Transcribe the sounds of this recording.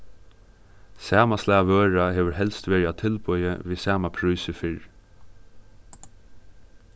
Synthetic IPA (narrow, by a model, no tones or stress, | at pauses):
sæːmaslæːʋøːɹaheːʋəɹɦɛlst̪ʋɛːɾat̪ʰɪlpɔʏjəʋiːsæːmapʰɾuːsəfɪɹ